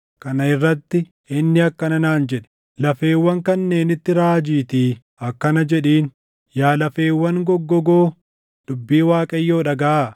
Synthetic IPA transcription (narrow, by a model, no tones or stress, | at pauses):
kɐnɐɪrːɐt̪ːɪ | ɪnːɪɐkːɐnɐnaːnd͡ʒɛᶑɛ̥ | lɐfe̞ːwːɐŋkɐnːe̞ːnɪt̪ːɪɾaːd͡ʒiːt̪iː | ɐkːɐnɐd͡ʒɛᶑiːn | jaːlɐfe̞ːwːɐŋɡɔɡːɔɡo̞ː | d̪̥ʊbːiːwaːkʼɐjːo̞ːᶑɐɡɐʔaː